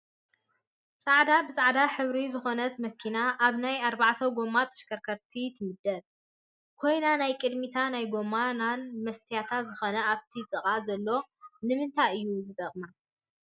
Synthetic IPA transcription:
sʼaʕd̪abɨsʼaʕd̪aħɨβɾizɨxo̞nɐt̪mɐkʰːinaʔaβnajaɾbaʕt̪ʰɐwɡo̞mat̪ʰɐ̥ʃkʰɐɾkʰɐɾt̪ʰit̪ʰɨmɨd̪ːɐl | kʰo̞jnanajkʼɨd̪mit̪ʰanajɡo̞mananmɐst̪ʰijat̪ʰat̪zɨxo̞nɐʔaβt̪ʰit̪ʼɨkʼazɐlːo̞nɨmɨnt̪ʰajɨjːuzɨd̪ɐχʼma

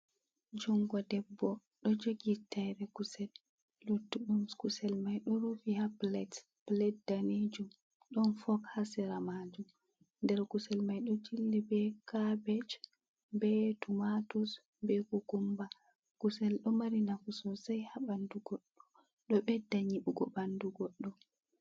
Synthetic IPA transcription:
d͡ʒuŋɡɔdɛbːɔ | ɗɔd͡ʒoɡitajɾɛkusɛlː | utːuɗumskusɛlmajɗɔɾufihaplɛt | plɛdːaned͡ʒum | ɗɔnfɔkhasɛɾamad͡ʒum | ndɛɾkusɛlmajɗɔd͡ʒilːibɛkabɛt͡ʃ | bɛtumatus | bɛkukumba | kusɛlɗɔmaɾinakusɔsajhaɓanduɡɔɗːɔ | ɗɔɓɛdaɲiɓuɡɔ̰banduɡɔɗːɔ

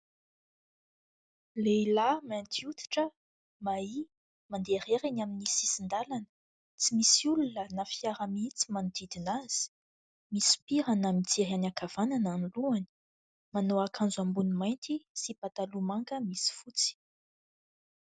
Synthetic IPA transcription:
leilamant̪ʰiut̪i̥ʈ͡ʂə | mai | mand̪eɾeɾanaminisisind̪alanə̥ | t͡simisiulunənafiaɾamit͡si̥mand̪id̪inaz̥i̥ | misi̥piɾanamit͡seɾanakav̥anananuluani̥ | manoakʰand͡zuambunimajnt̪isipat̪alumaŋkəmisi̥fut͡si̥

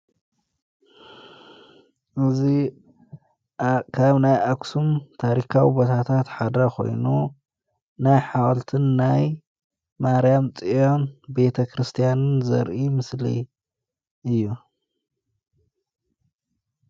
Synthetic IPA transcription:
ʔɨzi | kʰaβnajʔaksumt̪ʰaɾikʰawibo̞t̪ʰat̪ʰat̪ħad̪ɐkʰo̞̰jnu | najħawɐlt̪ʰɨnːaj | maɾjamt͡sʼijonbe̞t̪ʰɐkɾɨst̪ʰijanɨnzɐ̰ɾʔimɨslḭ | ʔɨjːu

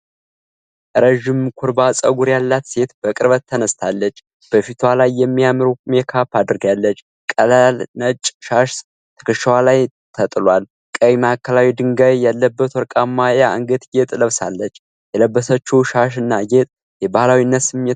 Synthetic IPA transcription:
ʔɾəʒɪmkʰuɾbasʼəɡuɾjalːat̪se̞t̪b̥əkʼɨɾβət̪ʰːənəst̪ʰalːət͡ʃː | b̥əfit̪ʰwalajːɛmːijamɨɾumekʰapad̪ɨɾɡalːət͡ʃː | kʼəlalnət͡ʃʼʃaʃ | t̪ʰə̥kʰɨʃəwalaj | t̪ʰət̪ʼɨlwal | kʼəimakʰːəlawid̪ɨŋɡaβjalːəbːət̪wɔɾkʼamːajaɨŋɡɨt̪jet̪ʼləβsalːət͡ʃː | jɛləbːəsət͡ʃːɛwʃaʃ̬ɨnːajet̪ʼ | jɛbahlawinːət̪sɨmjɛ

